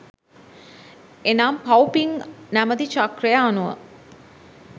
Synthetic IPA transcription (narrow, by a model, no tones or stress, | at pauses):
enaːmpawpiŋnæməd̪it͡ʃakrejaːnuʋə̰